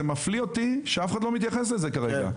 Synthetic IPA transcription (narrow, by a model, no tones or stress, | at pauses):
emaflio̞t̪iʃeafe̥χadlo̞mit̪̬jaχe̞s̬leze̞kaʁeɡa̰